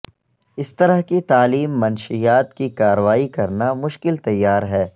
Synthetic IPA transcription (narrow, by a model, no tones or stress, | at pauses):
ɪst̪ɐɾəɦkit̪aːliːmːɐnʃijaːt̪kikaːɾəʋaːikɐɾnamʊʃkɪlt̪ɐjːaːɾɦɛː